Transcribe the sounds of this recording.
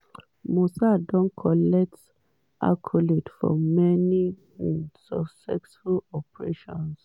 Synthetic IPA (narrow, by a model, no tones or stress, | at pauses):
mosadɔ̃nkʰɔlɛk̚t | a̰kʰɔletfɔ̰mɛni | sɔksɛksfulɔpɹeʃɔ̃ns